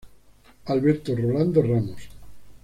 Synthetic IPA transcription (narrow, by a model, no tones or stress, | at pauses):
alβeɾt̪oroland̪oramos